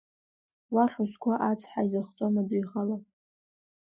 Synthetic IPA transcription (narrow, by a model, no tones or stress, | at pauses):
waχʲʷʊʃkʷʰaʔat͡sʰħaizaχt͡sʼomad͡zijχalapʼ